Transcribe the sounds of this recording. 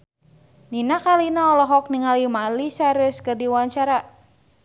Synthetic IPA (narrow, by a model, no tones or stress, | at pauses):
ninakalinaɔlɔɦɔk̚niŋalimalisaɾəskɨrdiwaɲt͡ʃaɾa